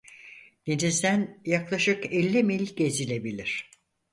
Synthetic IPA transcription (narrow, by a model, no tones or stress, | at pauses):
d̪̥enizd̪ænjaklˠaʃɯkɛlʲːimelʲiɟe̞zilʲe̞bilʲiɾ̝̥